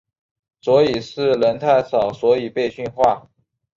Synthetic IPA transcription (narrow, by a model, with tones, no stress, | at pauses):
swɔ˧˥i˨˩ʂɻ̩˥˩lə˧˥nt̪ʰa˥˩ɪsɑ˨˩ʊswɔ˧˥i˨˩pe˥˧ɪɕy˥˧nxwa˥˩